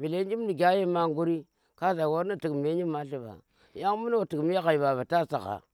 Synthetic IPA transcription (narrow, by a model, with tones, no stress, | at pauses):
bi˨le˦d͡ʒi˦m˦ni˨ɡʲa˦ji˦ma˦ŋ˦ɡu˦ɾi˦ | ka˦za˨wo˦ɾni˦˨ti˨km˨e˦ɲi˦ma˦ɬi˦ba̰˨ | ja˦ŋ˦mu˦n˦o˦˨ti˨km˦e˦ka˨i˨ba˨ba˨ta˦sa˨ka̰˨